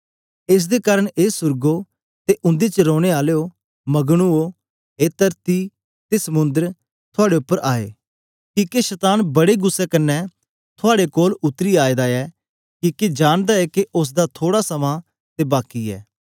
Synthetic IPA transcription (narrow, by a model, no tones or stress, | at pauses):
ɪs̬d̪ekaːɾəɽ̃eːsʊɾɡo | t̪eʔʊ̃nd̪et͡ʃəɾoːɽ̃eaːleːo | mɐɡɽ̃uoː | eːt̪əɾt̪i | t̪esəmʊ̃nd̪əɾ | t̪ʰʊaːɽeʊpːəɾʔaːḛː | kiːkeʃɛt̪aːnbɐɽeɡʊsːɛkənːɛ | t̪ʰʊaːɽekoːlʊt̪ːəɾiːaːed̪aɛː | kiːkid͡ʒaːɽ̃d̪aɛːkeʔʊs̬d̪at̪ʰoːɽasɐmã | t̪ebaːkiɛ̰ː